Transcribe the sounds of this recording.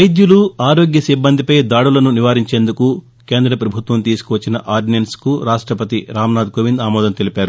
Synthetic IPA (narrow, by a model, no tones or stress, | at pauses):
ɐjd̪juluaːɾo̞ːɡjɐsibːɐnd̪ʱipɐjd̪aːɽulɐnuniʋaːɾiɲt͡ʃe̞ːnd̪uku | ke̞ːnd̪ɾɐpɾɐbʱut̪ʋɐmt̪iːsu̥kuʋɐt͡ʃːinɐʔaːɾɖnienskuɾaːʂʈɾɐpɐt̪iɾaːmnaːd̪koʋind̪aːmɔːd̪ɐnt̪e̞lipaːɾu